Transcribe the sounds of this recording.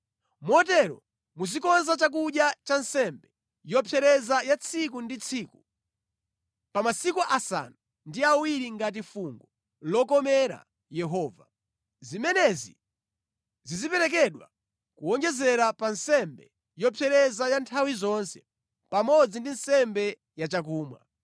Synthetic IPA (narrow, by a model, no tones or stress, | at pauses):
mɔtɛɾɔ̰ | muzikɔnzat͡ʃak̬uɗjat͡ʃansɛmbɛ | jɔpʰjɛɾɛzajat͡sʰik̬undit͡sʰiːku | pamasikuʔasa̰nu | ndiawiɾiŋɡat̬ifuŋɡɔ | lɔkɔmɛɾa̰ | jɛɦɔːva̰ | zimɛnɛzḭ | zizipɛɾɛk̬ɛɗwa̰ | kuɔŋd͡ʒɛzɛɾapansɛmbɛ | jɔpʰɛɾɛzajantʰawizɔnsɛ | pamɔd͡zindinsɛmbɛ | jat͡ʃakuːmwa̰